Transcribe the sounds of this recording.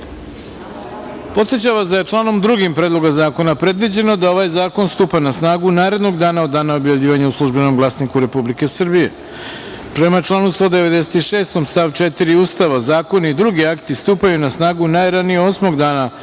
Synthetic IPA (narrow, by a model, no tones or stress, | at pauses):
po̞t̪set͡ɕaʋazd̪aje̞t͡ʂlˠaːno̞md̪ɾuɡimpɾed̪lˠo̞ɡazaːko̞napɾe̞d̪ʋid͡ʑe̞no̞d̪ao̞ʋajzaːko̞nst̪uːpanasnaːɡunaːɾe̞d̪no̞ɡd̪aːnaod̪ːaːnaobjaʋʎʲiːʋaɲauslˠuʒbe̞no̞mɡlˠaːsnikuɾe̞publike̞sr̩bije̞̰ | pɾe̞mat͡ʃlˠaːnust̪o̞d̪eʋe̞d̪ese̥t̪iʃe̞ːst̪o̞mst̪aʋt͡ʃet̪iɾiuːst̪aʋazaːko̞naid̪ɾuɡiakt̪ist̪uːpajunasnaːɡunajɾanijeosmo̞ɡd̪aːna